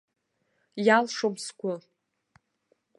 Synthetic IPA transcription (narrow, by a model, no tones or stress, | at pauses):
jalʂomskʷʊ